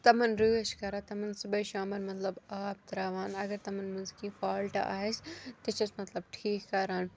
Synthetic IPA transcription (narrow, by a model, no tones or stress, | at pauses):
t̪ɐmɐnɾuːeʃkɐɾaːt̪ɐmɐnsubɐjʃaːmɐɾmɐt̪lɐbaːp̚t̪ɾaːʋaːnɐɡɐɾt̪ɐmɐnmuzkĩːfaːlʈa̰ʔaːest̪ɐt͡ʃɐsmɐt̪lɐbʈʰiːkːɐɾaːn